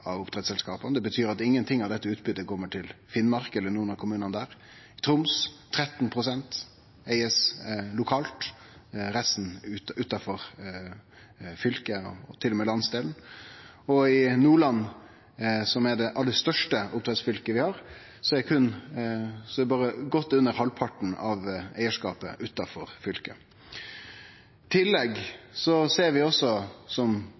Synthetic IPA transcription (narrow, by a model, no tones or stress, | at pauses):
ɑʋʊpt̪ʰɾɛt̪sɛlskɑːpənd̪ɛbət̪ʰyːɾɑt̪ɪŋːənt̪ʰɪŋːɑʋd̪ɛt̪ːəʉːt̪bʏd̪ːəkʰɔmːəʈʰɪlfɪnːmɑɾkəɛlːəɳuːənɑkʰʊmʉːnənd̪æːɾ | ɪt̪ʰɾʊmsʰː | ɾɛt̪ːn̩pʰɾʊsɛnt̪ | æɪəslʊkʰɑːlt̪ | ɾæsn̩ʉːt̪ɑfɔɾ | fʏlkəɔ̰ɔt̪ʰɪlːɔmɛːlɑnsd̪eːln̩ | ɔɪnuːɭɑnː | sɔmɛɖɛʔɑlːəɾst̪œʂʈəʊp̚t̪ʰɾɛt̪sfʏlkəʋɪhɑːɾ | sɔɛkʰʉn | sɔbɑːɾəɡɔt̪ːʉnːəɾhɑlpʰɑʈn̩ɑ̰ʋæɪəʂkɑ̰ːpə̰ʔʉːt̪ɑfɔɾfʏlkə | t̪ʰɪlːɛɡsɔseːɾʋɪɔsːɔsɔm